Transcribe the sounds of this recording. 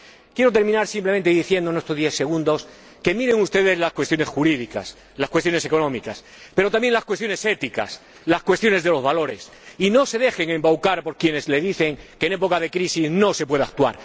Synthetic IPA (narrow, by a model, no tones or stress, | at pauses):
kje̞ɾo̞t̪̬eɾmĩnaɾsimple̞mẽnt̪eðiθje̞nd̪onest̪oðjeθse̞ɣ̞ũnd̪o̞s | ke̞miɾe̞ŋust̪e̞ðe̞zlaskwest̪jo̞ne̞sxuɾiðika̰s | laskwet̪jo̞ne̞se̞ko̞nõ̞mikas | pe̞ɾot̪ambje̞ŋlaskwest̪jo̞ne̞se̞t̪ika̰s | laskwest̪jo̞ne̞zðe̞lo̞zβalo̞ɾe̞̰s | ino̞se̞ðe̞xe̞ŋe̞mbawkaɾpo̞ɾkjene̞zle̞ðiθe̞ŋkeːne̞po̞kað̞e̞kɾisizno̞se̞pwe̞ðak̚t̪ua̰ɾ